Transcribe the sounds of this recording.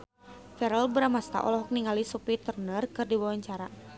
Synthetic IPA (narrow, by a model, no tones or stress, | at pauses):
fɛɾəlbəɾamast̪a̰ʔɔ̰lɔɦɔk̚niŋalisupit̪ərnərkɨrdiwawaɲt͡ʃaɾa